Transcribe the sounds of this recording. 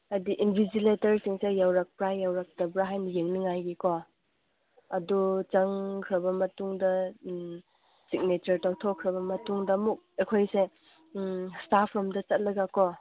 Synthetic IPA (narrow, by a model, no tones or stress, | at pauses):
ɐdiʔinbʱiziletɐɾsiŋsejawɾak̚pɾajjawɾak̚tɐbɾaɦajnɐjeŋniŋajɡiko | ɐdut͡ʃɐŋkʰɾɐbɐmɐtuŋdɐ | sik̚net͡ʃɐɾtawtʰɔkʰːɾɐbɐmɐtuŋdɐmuk̚ekʰojse | stapʰɔmdɐt͡ʃɐt̚lɐɡakɔ